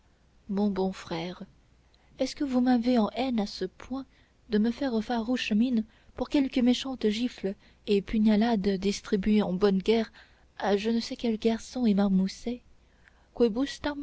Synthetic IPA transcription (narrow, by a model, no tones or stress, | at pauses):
mɔ̃bɔ̃fχɛːʁ | ɛskəvumaveɑ̃ʔɛnasəpʰwɛ̃ | d̪əməfɛʁəfaʁuʃmin | puʁkʲɛlkəmeʃɑ̃t̪ʒifl | epyɲalad̪d̪ist̪χibɥeɑ̃bɔnɡʲɛʁ | aʒənəsɛkʲɛlɡʲaʁsɔ̃emaʁmusɛ | kwebust̪am